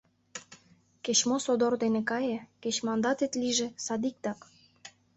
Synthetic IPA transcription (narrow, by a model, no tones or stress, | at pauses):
ket͡ɕmosod̪ord̪enekɑjeket͡ɕmɑnd̪ɑt̪et̪liʒĕsɑd̪ik̚t̪ɑk